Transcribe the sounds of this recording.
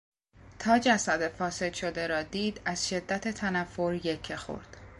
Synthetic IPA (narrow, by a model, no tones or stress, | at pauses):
t̪ʰɒːd͡ʒæsæd̪efɒːse̞d̪ʃo̞d̪e̞ɾɒːd̪iːd̪æz̥ʃe̞d̪ːæt̪ʰet̪ʰænæfːoɾjecʰːexo̰ɾd̪̥